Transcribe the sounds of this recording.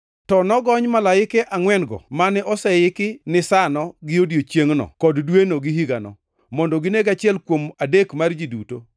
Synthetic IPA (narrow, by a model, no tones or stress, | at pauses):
tɔnɔɡɔɲmalaɪkɛʔaŋwɛnɡɔ̰manɛʔɔsɛɪkɪnɪsanɔɡɪodjot͡ʃjeŋnɔ̰kɔddwenoɡɪɦiɡanɔ̰ | mɔndɔɡɪneɡat͡ʃɪɛlkwomadekmard͡ʒiduto